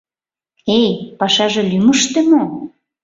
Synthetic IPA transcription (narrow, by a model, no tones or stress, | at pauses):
ejpɑʃɑʒĕlyməʃt̪ĕmo